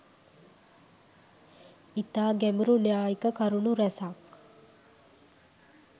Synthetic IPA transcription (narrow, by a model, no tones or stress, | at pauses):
it̪aːɡæmiɾuljaːikəkɐɾunuɾɛsak